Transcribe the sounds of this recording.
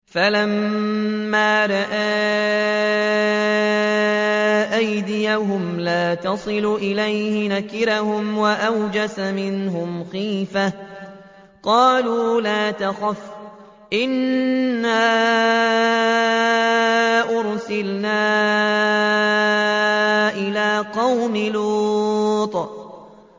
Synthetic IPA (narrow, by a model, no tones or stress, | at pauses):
falamː | aːɾˤɑʔaː | ʔajd̪ɪjaɦʊmlaːt̪ɑsˤɨluʔɪlajhɪnakɪɾahʊmwaʔawd͡ʒasamɪnɦʊmxiːfa | qɑːluːlaːt̪axaf | ʔɪnː | aː | ʔʊɾsɪlnaː | ʔɪlaːqɑwmɪlu | t̪ˤ